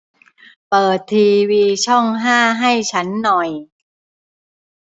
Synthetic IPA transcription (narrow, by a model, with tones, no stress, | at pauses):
pɤː˨˩t̪ʰːiː˧wiː˧t͡ɕʰɔ˥˩ŋɦaː˥˩ɦa˥˩jt͡ɕʰa˦˥nːɔ˨˩j